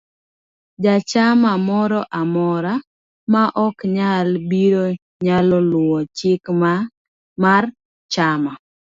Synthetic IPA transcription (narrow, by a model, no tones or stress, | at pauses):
d͡ʒat͡ʃamamɔɾɔʔamɔɾa | maʔɔkɲalbiɾo | ɲalɔlʊɔt͡ʃɪkma | mar | t͡ʃama